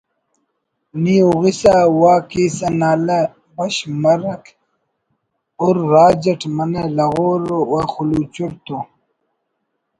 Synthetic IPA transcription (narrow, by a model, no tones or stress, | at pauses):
niuɣisawaːkiːsɐnaːlɐ | bɐɕmɐɾɐk | uɾːaːd͡ʑɐʈʰmɐnelɐɣoːɾowaxuluːt͡ɕuɽt̪o